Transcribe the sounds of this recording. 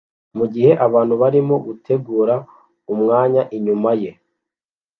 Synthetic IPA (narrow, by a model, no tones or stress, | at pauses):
muɟihe̞ʔaβaːn̥huβaɾimo̞ɡutʰe̞ɡuːɾa | umŋaːɲaʔiɲumaje̞